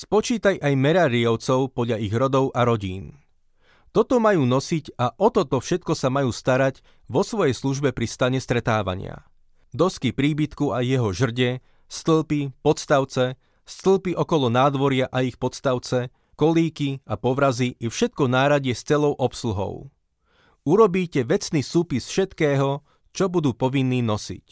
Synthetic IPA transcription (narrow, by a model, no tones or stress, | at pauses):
spɔt͡ʃiːt̪ajʔajmɛɾaɾiɔʊt͡sɔʊpɔd̪ʎaiɣɾɔd̪ɔʊʔaɾɔɟiːn | t̪ɔt̪ɔmajuːnɔsicaʔɔt̪ɔt̪ɔfʃɛt̪̚kɔsamajuːst̪aɾaɟ | ʋɔsʋɔjɛjsluʒbɛpɾist̪aɲɛst̪ɾɛt̪aːʋa̰ɲɪa̰ | d̪ɔskipɾiːbit̪kuajːɛɦɔʒr̩ɟɛ | st̪l̩pipɔt̪st̪aʊt͡sɛ | st̪l̩ˠpiʔɔkɔlɔnaːd̪ʋɔɾɪaʔaixpɔt̪st̪aʊt͡sɛ | kɔliːkiapɔʋɾaziʔifʃɛt̪̚kɔnaːɾaɟɪɛst͡sɛlɔʊʔɔpsluɦɔ̰ʊ | uɾɔbiːcɛʋɛt͡sniːsuːpisfʃɛt̪kɛːɦɔ | t͡ʃɔbud̪uːpɔʋinːiːnɔsḭc